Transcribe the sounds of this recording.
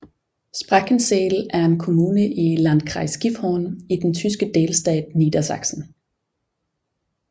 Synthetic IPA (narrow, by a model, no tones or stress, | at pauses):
sb̥ʁɑɡ̥ən̩seːlæɐe̝nkʰo̝muːnəʔilænd̥kʰʁɑ̈ɪsɡ̥ifhɒːnid̥ent͡sʰys̬ɡ̥əd̥e̝ːlsd̥ɛ̰ːd̥̚niːd̥ɐsɑ̈ɡ̥sn̩